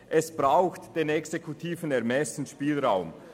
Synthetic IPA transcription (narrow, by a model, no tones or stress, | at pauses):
ʔɛsb̥ʁaʊxtd̥eːnɛksekʰutʰiːvn̩ɛɐmɛsn̩ʃpiːlʁaʊm